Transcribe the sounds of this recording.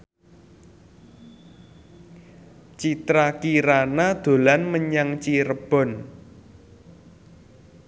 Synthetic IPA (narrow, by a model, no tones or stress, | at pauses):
t͡ʃit̪ɾakiɾanad̪̥o̤lanməɲaŋt͡ʃiɾəb̥ɔ̤n